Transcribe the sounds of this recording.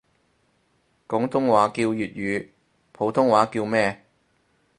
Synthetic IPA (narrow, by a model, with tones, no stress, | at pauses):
kʊ˨˥ŋt̪ʰʊ˥ŋwaː˨˥kiː˧wjyː˨t̚jyː˨˧ | pʰo˨˥wt̪ʰʊ˥ŋwaː˨˥kiː˧wmɛː˥